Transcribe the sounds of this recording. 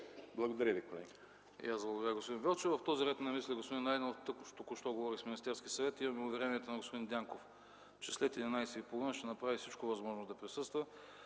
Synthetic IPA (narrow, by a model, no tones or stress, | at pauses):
blˠɐɡod̪ɐɾʲəvikolɛɡʲi | ḭazblˠɐɡod̪ɾəɡospod̪invʲɛlˠt͡ʃɛvɐft̪ɔziɾɛt̪nɐmislʲiɡospod̪inːaɛd̪nɛt̪ːɤknoʃt̪okoʃt̪ɔɡovɔɾixsminist̪ɛɾskʲiəsɐvɛt̪imɐmɛʊvɛɾɛniɛt̪onɐɡospod̪ind̪ʲaŋkof | t͡ʃɛslɛt̪jɛd̪inajsɛipolˠvinəʃt̪ɛnɐpɾavifsit͡ʃkovɐzmɔʒnozd̪ɐpɾisɤst̪və